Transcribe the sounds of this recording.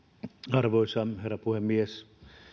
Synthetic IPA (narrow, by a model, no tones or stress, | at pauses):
ɑrʋoisɑherːæpuhemːies